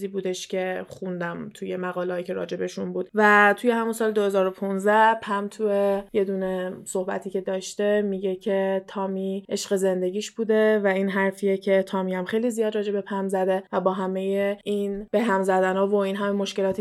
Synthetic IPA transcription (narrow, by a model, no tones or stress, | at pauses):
ziːbuːd̪eʃcʰe̞xund̪æmt̪ʰujemæɣɒːlːjicʲʰe̞ɾɒ̰ːd͡ʒe̞be̞ʃunbuːd̪væt̪ʰuje̞hæmunsɒːled̪ohe̞zɒːɾo̞pʰunzd̪æhpʰæmt̪ʰueje̞d̪uːne̞so̞hbæ̰t̪ʰiːcʰe̞d̪ɒːʃt̪e̞miɟecʰe̞t̪ʰɒːmiʔeʃɢe̞ze̞nd̪e̞ɟʲiːʃb̥uːd̪e̞væiːnɦæɾfiecʰe̞t̪ʰɒːmihæmxe̞jlizijɒːd̪ɾɒːd͡ʒe̞be̞pʰæmzæd̪evæbɒːɦæme̞jeʔinb̥e̞ɦæmzæd̪ænɒːvo̞inɦæmemo̞ʃkce̞lɒːt̪ʰi